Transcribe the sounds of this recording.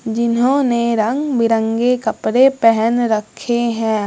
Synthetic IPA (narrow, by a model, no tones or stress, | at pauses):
d͡ʒɪnɦõneɾə̃ŋɡbɪɾə̃ŋɡekɐpɾepɛɦɛnɾəkʰːeɦɛ̃ː